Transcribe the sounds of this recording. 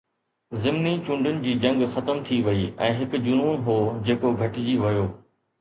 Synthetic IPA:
zɪmnit͡ɕʊ̃ɳɖʱʊnɪ̆d͡ʑiːd͡ʑɐ̃ŋɡxɐt̪əmt̪ʰiʋɐiːɛ̃ːɦɪkʊd͡ʑʊnuːnɦoːd͡ʑeːkoɡʱɐʈd͡ʑiʋɐjoː

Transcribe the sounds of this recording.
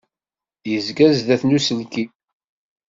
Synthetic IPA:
jəzɡæzðæθnusəlki

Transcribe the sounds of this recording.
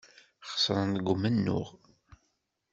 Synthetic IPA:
χə̥sˤɾˤənɡʷʊmənːʊ̰ʁ

